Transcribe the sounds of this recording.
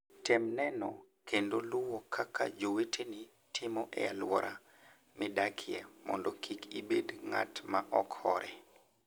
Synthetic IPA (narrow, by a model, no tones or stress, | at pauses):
tɛmnɛnɔ̰ | kendolʊwɔkʰakʰa̰d͡ʒowetʰeni | tʰɪmɔʔḛalwɔ̰ɾʔa | mɪdakʰjɛmɔ̰ndɔkʰikibedŋa̰tmaʔɔkhɔ̰ɾʔɛ